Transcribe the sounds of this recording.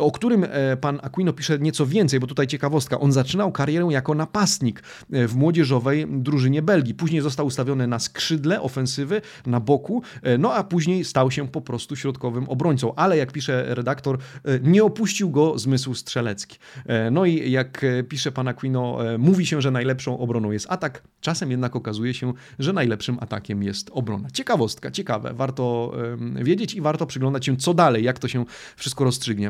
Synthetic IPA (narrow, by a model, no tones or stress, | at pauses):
ɔkt̪uɾɘmpanakwinɔpʲiʂɛɲɛt̪sɔvʲjɛnt̪sɛjbɔt̪ut̪ajt͡ɕɛkavɔst̪̚ka̰ʔɔnzat͡ʂɘnawkaɾʲjɛɾɛw̃jakɔnapast̪ɲik | vmwɔd͡ʑɛʐɔvɛjd̪ɾuʐɘɲɛbɛlɡʲipuʑɲejzɔst̪awst̪avʲjɔnɘnaskʂɘd̪lɛʔɔfɛñsɘvɘ | nabɔkunɔapuʑɲejst̪awɕɛpɔpɾɔst̪uɕɾɔt̪kɔvɘmɔbɾɔɲt̪sɔ̃w̃ʔalɛjak̚pʲiʂɛɾɛd̪akt̪ɔɾɲɛɔpuɕt͡ɕiwɡɔzmɘswstʂɛlɛt̪skʲi̥nɔijakpʲiʂɛpanakwʲinɔmuvʲiɕɛʐɛnajlɛpʂɔ̃w̃ʔɔbɾɔnɔ̃w̃jɛst̪at̪ak | t͡ʂasɛmjɛd̪nakɔkazujɛɕɛ | ʐɛnajlɛpʂɘmʔa̰t̪akʲɛmjɛst̪ɔbɾɔ̰nat͡ɕɛkavɔst̪ka̰t͡ɕɛkavɛ̰vaɾt̪ɔ | vʲjed͡ʑet͡ɕivaɾt̪ɔpʂɨɡlɔnd̪at͡ɕɕɛ̃t̪sɔd̪alɛjːakt̪ɔɕɛ | fʂɨst̪kɔɾɔstʂɘɡɲɛ